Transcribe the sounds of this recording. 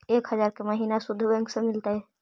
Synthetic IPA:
ekɦəd͡ʒaɾkeməɦinasud̪ʱːbɛ̃ŋksə̃milt̪aɦɛ

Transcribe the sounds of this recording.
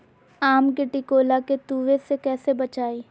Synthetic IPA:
aːmkeʈɪkoːlaket̪uːʋesekɛːsebɐt͡ʃaːiː

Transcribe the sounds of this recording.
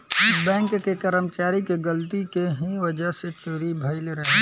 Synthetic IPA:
bɛ̃ŋkkekəɾəmt͡ʃaːɾikeɡəlt̪ikeɦiʋəd͡ʒəset͡ʃoɾibʱəɪlɾəɦe

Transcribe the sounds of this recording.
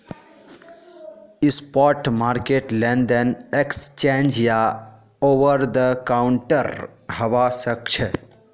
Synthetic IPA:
ispɔɾʈmaːɾkeʈlẽnd̪ənekst͡ʃẽnd͡ʒja | oʋəɾd̪əkawʊɳʈəɾhəʋasəkt͡ʃʰɛ

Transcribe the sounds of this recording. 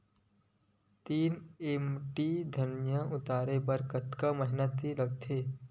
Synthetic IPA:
t̪iːnemʈiːd̪ʱɐnjəʊt̪aːɾepəɾkət̪kaməɦɪnət̪ːiləɡt̪ʰeː

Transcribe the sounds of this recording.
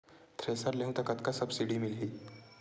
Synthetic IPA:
t̪ʰɾesaɾlẽwt̪əkat̪kasəbsiɽiːmilɦiː

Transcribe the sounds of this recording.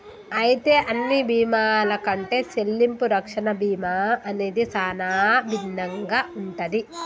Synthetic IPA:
ɐjit̪e̞ːʔɐnːibʱiːmaːlɐkɐɳʈe̞ːse̞lːimpuɾɐkʂɐnɐbiːmaːɐne̞ːd̪isaːnaːbʱinːɐŋɡaːʔuɳʈɐd̪i

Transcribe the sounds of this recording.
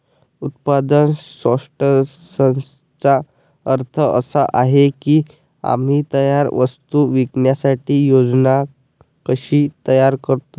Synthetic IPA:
ut̪̚pad̪ənsʋəʂʈəsə | t͡sa | əɾt̪ʰəə̰saʔaɦekiː | a̰m̤iːt̪əjaɾʋəst̪uʋikɳjasaʈiːjod͡zna | kəɕiːt̪əjaɾkəɾt̪o

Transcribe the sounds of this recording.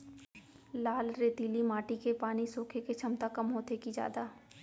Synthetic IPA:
laːlɾeːt̪iːlimaːʈikepaːnisoːkʰeket͡ʃʰɐmt̪akɐmɦoːt̪ekid͡ʒja̰ːd̪aː

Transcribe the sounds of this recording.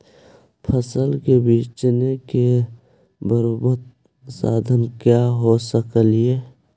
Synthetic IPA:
pʰəsəlkebiːt͡ʃneke | bəɾobət̪ | saːd̪ʱənkjaɦosəkəlie

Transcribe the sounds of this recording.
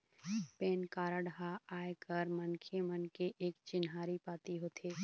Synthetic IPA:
peːnkaːɾaɽɦaaːjkəɾmənkʰemənkeʔeːkt͡ʃɪnɦaːɾipaːt̪iɦoːt̪ʰeː

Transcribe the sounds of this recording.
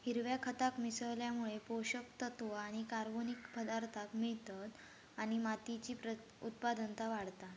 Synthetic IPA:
hiɾʋjakʰət̪akmisəʋljamuɭepoɕəkt̪ət̪ʋaɽ̃ikaɾbonikpəd̪aɾt̪ʰakmiɭt̪ət̪ | aɽ̃imat̪it͡ɕiːpɾə | ṵt̪̚pad̪ənt̪aʋaɽt̪a

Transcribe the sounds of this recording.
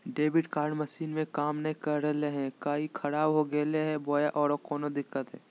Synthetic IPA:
ɖeːbɪʈkaːɾɖmɐʃiːnmẽkaːmnɐĩkəɾɾəleɦɛ̃kaːikʰɐɽaːbɦoɡeːleɦɛboːjaʔɔːɾokɔːnod̪ɪkːət̪ɦɛ̰ː

